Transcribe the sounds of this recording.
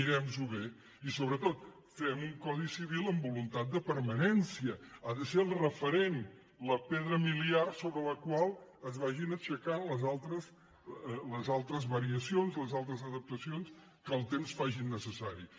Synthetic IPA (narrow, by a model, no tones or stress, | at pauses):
iɾɛmzuβe | isoβɾət̪ot̪ | fɛmuŋkɔðisiβilˠəmbulunt̪at̪̚d̪əpəɾmənɛnsiəaðəseəlˠrəfəɾen | ləpɛðɾəmiliarsoβɾələkwalˠəzβaʒinəʃəkanləzalˠt̪ɾəs | ləzalˠt̪ɾəzβəɾiəsionzləzalˠt̪ɾəzəðəp̚t̪əsions | kəlˠt̪emsfaʒinːəsəsaɾi